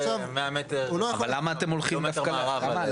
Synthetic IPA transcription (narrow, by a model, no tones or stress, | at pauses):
omeamet̪eulojaχalːamaːt̪emolχimdafkaʁalama